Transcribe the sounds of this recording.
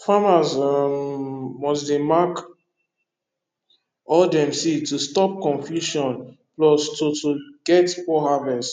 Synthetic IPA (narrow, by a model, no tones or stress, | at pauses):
famazammɔsdemak | ɔldɛ̃msitustɔp̚kɔ̃nfjuʃɔ̃nplɔstotuɡɛtfɔɦavɛst